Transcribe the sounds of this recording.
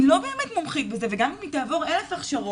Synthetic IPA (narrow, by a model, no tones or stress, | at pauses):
lo̞be̞ːmetmomχit̚bezeveɡammitaːvo̞ʁelefaχʃaʁo